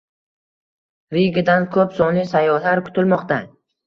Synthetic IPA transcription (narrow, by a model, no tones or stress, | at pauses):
ɾɪɡʲɪd̪ankʰɵpsɒnlisajːɒhlaɾkʰʊ̥t̪ʰɪlmɒqt̪a